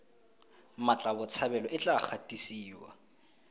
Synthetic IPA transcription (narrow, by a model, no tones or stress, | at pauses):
mat͡ɬʼabʊt͡sʰabɛlɔʔɪt͡ɬʼak͡xʰatʼisiːwa̰